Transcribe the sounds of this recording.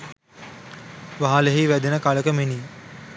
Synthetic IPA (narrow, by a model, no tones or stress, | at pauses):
ʋaɦaleɦiʋæd̪enəkaləkəmeniː